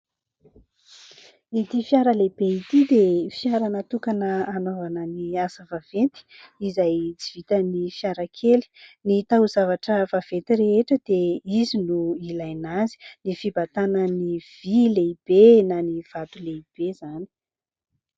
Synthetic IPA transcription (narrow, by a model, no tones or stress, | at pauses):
it̪ifjaɾəlebeit̪id̪efjaɾanət̪ukanəanovanəniasəvavent̪i̥ | izajt͡si̥v̥it̪ənifjaɾakʰeli̥nit̪auzavaʈ͡ʂəvav̥et̪ireeʈ͡ʂəd̪̥eizinuilajnazi̥nifibat̪anəniv̥ileib̥enaniv̥at̪uleib̥ezani̥